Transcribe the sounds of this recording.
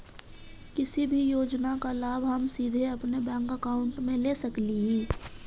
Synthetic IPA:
kɪsibʱijoːd͡ʒnakalaːbʱɦɐmsiːd̪ʱeɐpnebɛ̃ːŋkəkaːʊ̃ɳʈmẽlesɐkliɦiː

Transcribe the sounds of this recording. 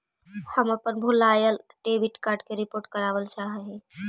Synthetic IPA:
həməpənbʱulaːjəlɖeːbɪʈkaːɾɖkeɾɪpoːɾʈkəɾaːʋəlt͡ʃaːɦɛɦẽ

